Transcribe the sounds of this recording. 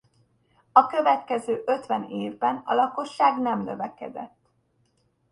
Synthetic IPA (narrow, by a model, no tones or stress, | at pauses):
ɒkø̞vɛt̪kɛzøːʔø̞t̪ʋɛneːvbɛnɒ̰lɒko̞ʃːaːɡnɛmnø̞vɛkɛ̰d̪ɛt̪ː